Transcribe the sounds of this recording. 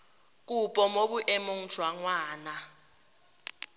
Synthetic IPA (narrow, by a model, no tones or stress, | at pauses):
k̬upʼɔmok̬uʔemoŋ̩̥ʒ̥ʱwaŋwaːna